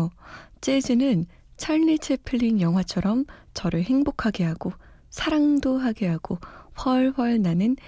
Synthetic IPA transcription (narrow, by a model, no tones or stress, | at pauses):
t͡ɕ͈ed͡ʑɯnɯn | t͡ɕʰaʎːit͡ɕʰepʰɯɭːinjʌŋɦwat͡ɕʰʌɾʌm | t͡ɕʌɾɯɭhe̞ŋbokʰaɡe̞ɦaɡo | sʰaɾaŋdoɦaɡe̞ɦaɡ̥oɸʌɭɸʌɭnanɯn